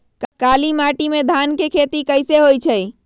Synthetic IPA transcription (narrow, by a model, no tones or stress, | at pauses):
kkalimaʈimed̪ʱankekʰet̪ikəɪseɦojt͡ʃʰəj